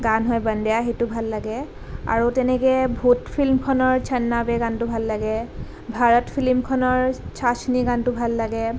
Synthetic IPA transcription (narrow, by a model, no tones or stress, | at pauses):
ɡanɦɔjbəndɛjaxejtʊbʱalːaɡɛ | a̰ɹutɛnɛkɛbʱutpʰilmkʰɔnɔɹt͡ʃʰɛnːabɛɡantʊbʱalːaɡɛ | bʱaɹɔtpʰilmkʰɔnɔɹt͡ʃʰasniɡantʊbʱalːaɡɛ